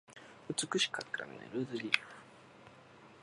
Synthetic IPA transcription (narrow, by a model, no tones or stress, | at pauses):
ɯt͡sɨkɯɕi̥kʰakːɯɾa̰mḭnḛɾɯːd̪ɨlʲiː